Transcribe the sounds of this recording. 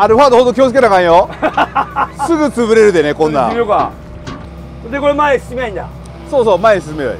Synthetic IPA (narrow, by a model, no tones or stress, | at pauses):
aɾɯ̟ɸaːd̪oɦod̪okʲjoːt͡s̬ɨ̥kenakãɰ̃jo | sɨɡɯ̟t͡sɨβɯ̟ɾe̞ɾɯ̟d̪e̞nekõ̞nːa̰oka | d̪ekoɾemaeisɨ̥simeãĩnd̪a̰ | soːso̞ːmaeɲis̬ɨsɯme̞joḭ